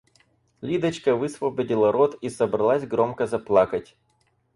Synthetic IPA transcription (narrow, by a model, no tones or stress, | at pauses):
lʲid̪ɐt͡ɕkɐʋɨsʋɐbʲɐdʲilˠɐɾɔt̪isɐbɾɐlˠasʲɡɾɔmkɐzɐplˠɑkɐtʲ